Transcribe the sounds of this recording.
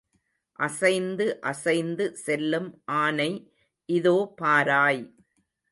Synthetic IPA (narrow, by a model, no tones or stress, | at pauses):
ʔɐsɐɪnd̪ɯʔɐsɐɪnd̪ɯsɛlːɯmʔaːnɐɪ | ʔɪðoːpaːɾaːj